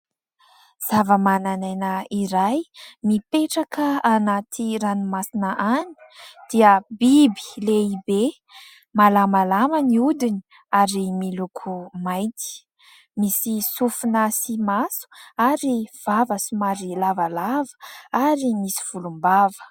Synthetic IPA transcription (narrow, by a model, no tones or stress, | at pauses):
z̥avəmanananəiɾajmipeʈ͡ʂakəanat̪ʰiɾanimasinəʔani̥d̪̥iəbibi̥leibe | malamalaməniud̪ini | aɾimilukʰumajt̪i̥ | misisufunəsimasu̥aɾiv̥avəsumaɾilavalavə̥aɾimisiv̥ulumbavə̥